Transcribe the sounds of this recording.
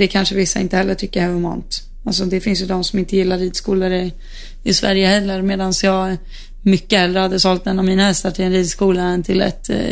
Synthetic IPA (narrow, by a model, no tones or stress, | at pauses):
d̪ɛkʰanʂəvɪsːaɪnt̪əhɛlːəʈʰʏkːəɾaʊmɔ̰nt̪ | als̬ɔd̪ɛfɪnsjɵd̪ɔmsɔmɪnt̪əjɪlːaɾiːd̪skuːləɾə | ɪsvæ̰ɾjəhɛlːəɾmeːd̪ansjɑːɡ | mʏkːəhɛlːɾəhad̪ːəsɔlt̪ɛnːɔvmiːnahɛst̪aʈʰɪlɛnɾiːd̪skuːlaɛnt̪ʰɪlɛ̰t̪